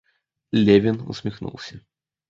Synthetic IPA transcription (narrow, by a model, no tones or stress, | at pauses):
lʲevʲinṵsʲmʲixnṵlˠsʲɐ